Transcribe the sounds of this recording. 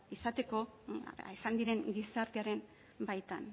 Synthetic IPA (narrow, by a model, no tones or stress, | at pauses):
isat̪e̞ko̞isand̪iɾe̞ŋɡisaɾt̪eaɾe̞n | bajt̪an